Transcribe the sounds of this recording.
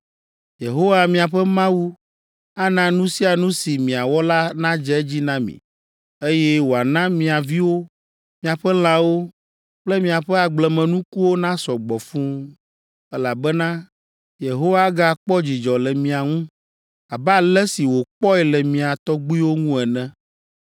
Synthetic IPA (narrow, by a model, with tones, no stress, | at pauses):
je˨ɦo˦wa˦mĩ˨a˨ɸɛ˦mã˦wu˦ | a˦nã˨nũ˦si˦a˨nũ˦si˨mĩ˨a˨wɔ˦la˦nã˦d͡ʒɛ˦ɛ˦d͡ʑi˦nã˦mḭ̃˨ | e˦jɛ˦wo˨a˨nã˦mĩ˨a˨vi˦wo˦ | mĩ˨˦a˨ɸɛ˦l̃ã˦wo˦ | k͡plɛ˦mĩ˨a˨ɸɛ˦a˨ɡ͡blɛ˨mɛ̃˨nũ˦ku˦wo˦nã˦sɔ˨ɡ͡bɔ˨fũ˦ | ɛ˦la˨bɛ˦nã˦ | je˨ɦo˦wa˦ɡa˦˨k͡pɔ˦d͡ʑi˨d͡ʒɔ˨lɛ˨mĩ˨a˨ŋũ˦ | a˨ba˦˨lɛ˦si˨wo˨k͡pɔ˦ɛ˨lɛ˨mĩ˨a˨t̪ɔ˦ɡ͡bu˦i˦wo˦ŋũ˦ɛ˨nɛ̃˦